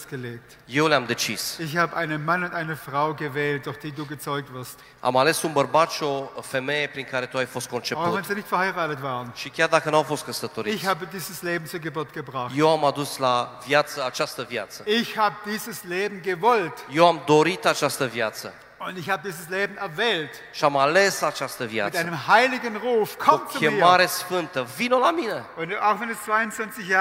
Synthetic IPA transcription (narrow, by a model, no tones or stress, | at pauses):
ɡ̥əleːk̚t | je̞wleamd̪e̞t͡ʃisɪçhaːbəʔaɪnənmanʊntʔaɪnəfʁ̥aʊɡəvɛːlt̚d̥ʊɐçd̥iːduːɡət͡sɔʏk̚tv̥ɪɐst | a̰male̞sunbərbat͡ʃofe̞me̞jepɾiŋkaɾe̞t̪uajfost̪̚ko̞nt͡ʃepaʊvɛnziːnɪçtfɛɐhaɪʁaːtətv̥aːʁənʃikʲjard̪akənafo̞st̪̚kəsət̪o̞ɾiɪçhaːbədiːzəsleːbm̩t͡suːɐɡəbʊɐtɡ̥əbʁaxje̞wamad̪uslavjat̪səat͡ʃast̪əvja̰t̪səɪçhaːbədiːzəsleːbm̩ɡəvɔltje̞wamd̪o̞ɾit̪at͡ʃast̪əvjat̪sə | ʊntɪçhaːbədiːzəsleːbm̩ɛɐvɛːlt | ʃiamale̞sat͡ʃast̪əvja̰tɪtʔaɪnəmhaɪlɪɡənʁuːfkʰɔot͡skuemːmaɾe̞sfɨnt̪əvinolamine̞ʊnaʊxvɛnest͡sv̥aɪʊnt͡svant͡sɪçja